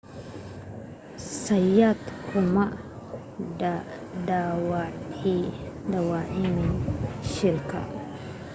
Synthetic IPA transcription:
sajat̪kʰʊlmaʔ | d̪awat̪ʰid̪awaʕimiʃilkʰa̰

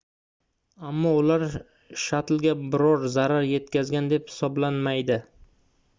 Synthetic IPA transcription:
amːɒʊlaɾ | ʃat̪lɡʲabɪɾɒɾzaɾaɾje̞t̪kʲʰazɡʲand̪e̞phɪ̥sɒblanmajd̪ɪ

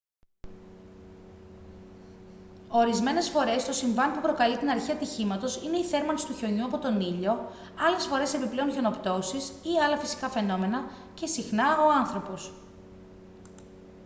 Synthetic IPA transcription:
o̞ɾizme̞ne̞sfo̞ɾe̞st̪o̞siɱvɐnpupɾo̞kɐlit̪inɐɾçiɐt̪içimɐt̪o̞sine̞iθe̞ɾmɐnist̪uço̞ɲuɐpo̞t̪o̞niʎo̞ | ɐle̞sfo̞ɾe̞se̞piple̞onço̞no̞pt̪o̞sisiɐlɐfisi̥kɐfe̞no̞me̞nɐ | ce̞sixnɐo̞ɐnθɾo̞po̞s

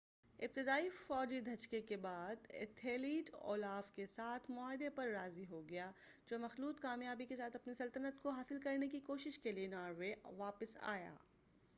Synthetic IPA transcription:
ɪb̚t̪ɪd̪aːifɔːd͡ʒid̪ʱɐt͡ʃkekebaːd̪ɪ̰t̪ʰeːliːʈo̰ːlaːfkesaːt̪ʰmʊaːɦɪd̪epɐɾːaːziɦoɡɐjaː | d͡ʒoːmɐxluːt̪kaːmjaːbikesaːt̪ʰɐpnisɐlt̪ənət̪koɦaːsɪlkɐɾnekikoːʃɪʃkelienaːɾʋeʋaːpəsa̰ːja̰ː

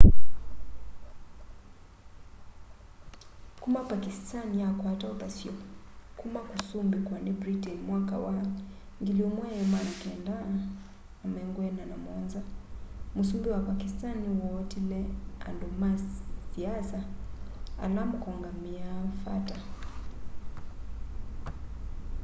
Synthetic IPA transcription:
kumapakistanijakwataɔtasiɔkumakusumbikwanibɾitinmwaka̰wa | ŋɡiliɔmwaɛmanakiandaː | mɛŋɡwɛnanamɔnzamusumbiwapakistaniwɔtilɛa̰ndɔmassiasa | a̰namukɔŋɡamiafa̰ta

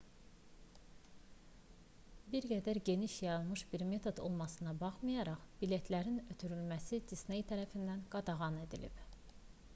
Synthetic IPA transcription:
biɾɡæd̪æɾɟe̞niʃjɑɾɯlˠmɯʃbiɾme̞t̪ʰo̞d̪o̞̰lˠmɑsɯnɑbɑχmɯjɑɾɑχbile̞t̪ʰlæɾinø̞t̪ʰyɾylmæsid͡ʒ̪isnejt̪ʰæɾæfind̪ænɡ̥ɑd̪ɑʁɑne̞d̪ilḭb̥

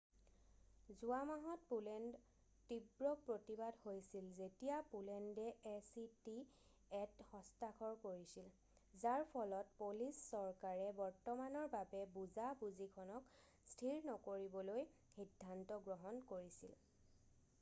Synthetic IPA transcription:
zuamaɦɔt̚pulɛnd | tibɹɔk̚pɹotibadhojsilzetijapulɛndɛesiti | ɛthɔ̃stakʰɔɹkoɹisil | zaɹpʰɔlɔtpolisːɔɹkaɹɛbɔɹtɔmanɔɹbabɛbuzabuzikʰɔnɔk | stʰiɹnɔkoɹibɔloj | xidʱːantɔɡɹɔɦɔnkoɹisil

